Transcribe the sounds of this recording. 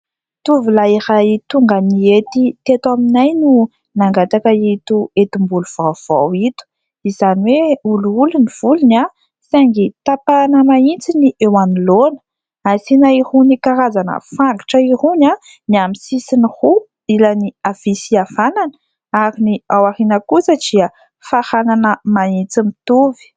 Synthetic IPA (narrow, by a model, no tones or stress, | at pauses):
t̪uvulaiɾait̪uŋɡəniet̪it̪et̪aminajnu | naŋɡat̪akəit̪uet̪imbuluv̥av̥awit̪u̥ | izaniweuluuluniv̥uluna | saŋɡit̪apanəmaint͡siniʔewanilonə̥ | asinaihunikaɾazanə̰faŋɡiʈ͡ʂəihuna | niamisisinihu | ilaniav̥isiavananə | aɾiniawaɾinəkusəd̥iə | fahananəmaint͡simit̪uvi̥